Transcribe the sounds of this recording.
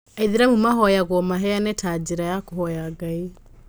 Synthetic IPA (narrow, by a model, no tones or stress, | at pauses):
aiðeɾɛmumaɦɔjaɣwɔmaɦɛjanetʰad͡ʑeɾajakohɔjaɡai